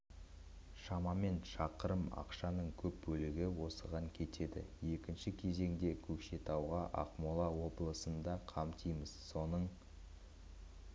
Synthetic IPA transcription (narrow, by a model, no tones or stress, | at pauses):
ʃɑmɑme̞nʃɑqəɾəmɑ̰qʃɑnəɴkʲʰɵp̚bɵlɪɡʲɪwo̞səʁɑŋkʲʰe̞t̪ʰe̞d̪ɪ̰je̞kʲɪnʃɪkʲʰe̞ze̞ŋd̪e̞kʲʰɵkʃe̞t̪ʰɑwʁɑʔɑ̰qmolˠɑwo̞blˠəsənd̪ɑqʰɑmt̪ʰijməzso̞nəɴ